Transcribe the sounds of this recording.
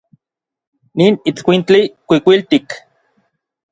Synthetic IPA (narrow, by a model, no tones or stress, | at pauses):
niːnit͡skʷint͡ɬikʷikʷilt̪ik